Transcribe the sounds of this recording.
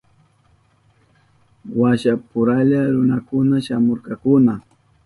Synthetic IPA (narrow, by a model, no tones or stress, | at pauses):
waʃapʊɾaʎaɾʊnakʊnaʃamoɾkɑkʊna